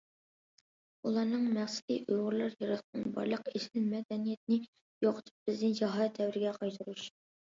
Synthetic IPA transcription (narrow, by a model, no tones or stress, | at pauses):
ulˠɑnɨŋmæχsɪ̥d̪ḭʔojʁʊɾlˠɑɾjəɾəχnɨnbɑ̰ɾlˠəqeʃlɪmɛd̪ɛnijɛt̪̚nɪ | joqət̪ʰɨ̥p̚b̥ɪznɪd͡ʒɑɦɑt̪ːɛwɾɪɡʲɛqʰɑjt̪ʰɨɾuʃ